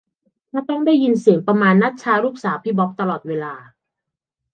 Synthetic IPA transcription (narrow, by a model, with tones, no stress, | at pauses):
kʰaː˥˩t̪ɔ˥˩ŋdaː˥˩jːi˧nsi˨˩˦ŋpɾa˧maː˧nːa˦˥t̪̚t͡ɕʰaː˧ɾuː˥˩k̚saː˩˦pʰiː˦˥˩bɔ˦˥p̚t̪a˧lɔː˨˩t̪̚weː˧laː˧